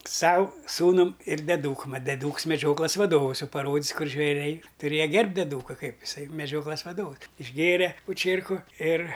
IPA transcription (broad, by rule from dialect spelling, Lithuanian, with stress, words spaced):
ˈsɐʊ ˈsuːnɐm ɪr dʲɛˈduːkʊm ˈmɐt dʲɛˈdʊks mʲɛˈd͡ʒʲoːklˠɐs ʋɐˈdoːʋəs ˈjɛʊ pɐˈroːdʲɪs ˈkʊr ʒʲʋʲɛˈrʲɛɪ tʊˈrʲeːjɛ ˈɡʲɛrʲpʲtʲ dʲɛˈduːkɐ ˈkɐɪp ɪˈsɐɪ mʲɛˈd͡ʒʲoːklˠɐs ʋɐˈdoːʋʊs ɪʒʲˈɡʲeːrʲɛ poː ˈt͡ʃʲiɛrkʊ ɪr